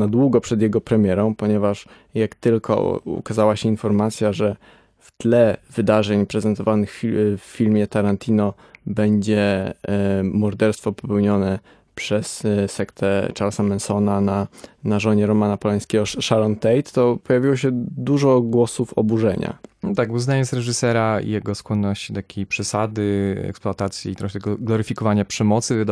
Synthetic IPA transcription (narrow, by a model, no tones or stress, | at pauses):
nad̪wuɡɔpʂɛd̪jɛɡɔpɾɛmʲjɛɾɔ̃w̃pɔɲɛvaʂ | jakt̪ɘlkʰɔ̰ṵkazawaɕɛinfɔɾmat̪sʲjaʐɛ | ft̪lɛvɘd̪aʐɛɲpɾɛzɛnt̪ɔvanɘxfːʲilmʲjɛt̪aɾant̪ʲʰinɔ | bɛɲd͡ʑɛ | mɔɾd̪ɛɾst̪fɔpɔpɛwɲɔnɛ | pʂɛssɛkt̪ʰɛt͡ʂaɾlsamɛnsɔnananaʐɔɲɛɾɔmanapɔlɛj̃skʲɛɡɔʂalɔnt̪ɛjt̪ːɔpɔjavʲiwɔɕɛd̪uʐɔɡwɔsufɔbuʐɛɲa̰t̪aɡuznaɲɛsɾɛʐɘsɛɾaḭjɛɡɔskwɔnːɔɕt͡ɕit̪akʲʰejpʂɛsad̪ɘɛ̰ksplɔat̪at̪sʲjiit̪ɾɔxɛɡɡlɔɾɘfʲikɔvaɲapʂɛmɔt̪sɘvd̪